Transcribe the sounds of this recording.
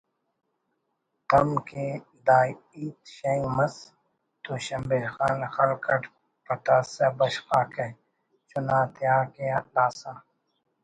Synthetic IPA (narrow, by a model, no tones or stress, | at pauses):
t̪ɐmke | d̪aː | iːt̪ʃejumɐs | t̪uɕɐmbeːlxaːnxɐɾkʰɐʈ | pɐt̪aːsebɐɕxaːke | t͡ʃunaːt̪jaːkelaːsaː